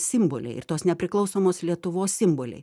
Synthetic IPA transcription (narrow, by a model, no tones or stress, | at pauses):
sʲɪmboːlʲɛ̰ɪɪ̰rt̪oːsnʲɛpʲɾʲɪklˠɒʊsoːmoːslʲiɛt̪ʊʋoːssʲɪmboːlʲɛ̰ɪ